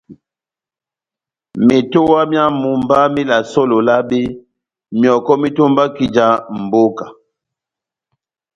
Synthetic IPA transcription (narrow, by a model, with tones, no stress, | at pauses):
mi˨to˦wa˦mja˦mu˨mba˦mi˦la˨so˦lo˨la˦bi˦ | mjɔ˨kɔ˦mi˦to˦mba˦ki˨d͡ʒa˨m̩˨bo˦ka˨